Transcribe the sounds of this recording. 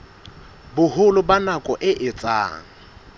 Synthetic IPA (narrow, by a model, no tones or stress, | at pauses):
bʊhʊlʊbanakʼɔʔɪʔɪt͡sʼa̰ːŋ̩